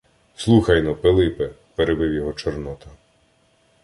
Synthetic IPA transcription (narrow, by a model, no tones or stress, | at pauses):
slˠuxɐjnɔpelˠɪpɪ | peɾebɪwjɔɦɔt͡ʃɔrnɔt̪ɐ